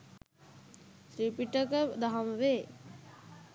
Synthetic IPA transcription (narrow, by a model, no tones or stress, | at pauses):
t̪ɾipiʈəkəd̪aɦɐmʋeː